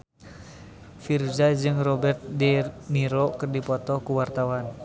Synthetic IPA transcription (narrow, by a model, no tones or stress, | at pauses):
fird͡ʒad͡ʒɨŋrɔbɛrt̪̚dɛmiɾokɨrdipɔt̪ɔkuwart̪awan